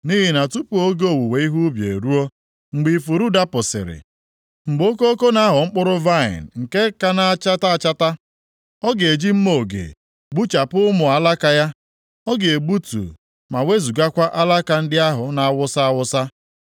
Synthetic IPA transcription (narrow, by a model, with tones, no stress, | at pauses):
ni˦ɦi˨na˨tu˦pu˨˦o˦ɡe˦o˦wu˨we˨i˦ɦu˦bjḛ˨ɾu˦o˦ | ŋ͡m̩˨ɡ͡bi˨fu˨ɾu˦da˦pʊ˨sɪ̰˨ɾɪ̰˨ | ŋ͡m̩˨ɡ͡bo˦ko˦o˦ko˦na˦ɦʊ˨ŋ͡m̩˦k͡pʊ˦ɾʊ˦va˦ɪ̰˨nŋ̩˨ke˦ka˦na˦a˦t͡ʃa˦ta˦˨t͡ʃa˦ta˦ | ɔ˦ɡe˨d͡ʒi˦m̩˦mo˨o˨ɡḛ˨ | ɡ͡bu˦t͡ʃa˨pʊ˦ʊ˦mʊ˨a˨la˦ka˦ja˦ | ɔ˦ɡe˨e˨ɡ͡bu˦tṵ˨ | ma˨we˦zu˨ɡa˦kʷa˦ʔa˦la˦ka˨n̩˦dɪ˦a˦ɦʊ˨na˨a˦wʊ˦sa˦a˦wʊ˦sa˦